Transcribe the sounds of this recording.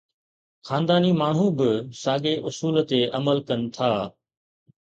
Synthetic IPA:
xaːnd̪aːnimaːɳ̤ũbɪsaːɠeʔʊsuːlt̪eʔɐməlkɐnɪ̆t̪ʰaː

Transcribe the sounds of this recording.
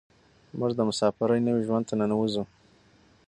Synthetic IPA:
mʊʐd̪əmʊsɑfɪɾəjnəwiʒwand̪t̪ananawuzu

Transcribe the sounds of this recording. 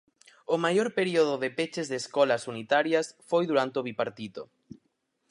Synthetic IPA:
ʊmajoɾpeɾioðʊðepet͡ʃezðeskɔlɐsunit̪aɾjɐsfojðuɾant̪eoβipaɾt̪iðo

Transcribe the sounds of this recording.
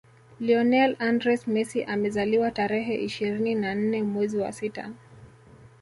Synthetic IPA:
liɔnɛlandɾɛsmɛsiʔamɛzaliwataɾɛɦɛʔiʃiɾininan̩nɛmwɛziwa̰sita̰

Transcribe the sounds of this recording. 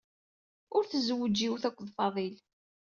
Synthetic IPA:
ʊɾθəzwəd͡ʒːiwθækʷːðˤfɑðˤil

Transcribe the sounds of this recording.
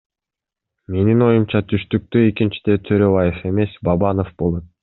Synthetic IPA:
me̞nino̞jumt͡ʃɑt̪ʰyʃt̪yk̚t̪ye̞kint͡ʃi̥d̪e̞t̪ʰøɾøβɑjefe̞me̞sbɑbɑno̞fbo̞lˠo̞t̪̚

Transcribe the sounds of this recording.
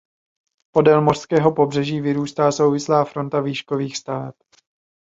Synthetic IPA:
po̞dɛlmo̞r̥skɛːɦo̞po̞br̝ɛʒiːvɪɾuːst̪aːso̞wvɪslaːfɾo̞nt̪aviːʃko̞viːxst̪avɛ̰p̚

